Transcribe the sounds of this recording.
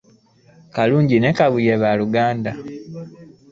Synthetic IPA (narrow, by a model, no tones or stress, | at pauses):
kaluːɲɟine̞kaβujeβaluɡaːnda